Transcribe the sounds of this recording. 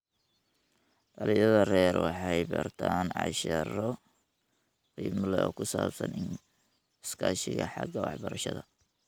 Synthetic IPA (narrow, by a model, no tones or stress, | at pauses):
ɖɐlɪjɐðɐrɛːrwɑħɑjbɐrt̪ʰaːnʕɑʃɐɾɔ | riːmlɛɔːkʰʊsaːbsɐnɪn | skʰaʃɪɣɐħɑɡɐwɑħbɐɾɐʃɐðɐ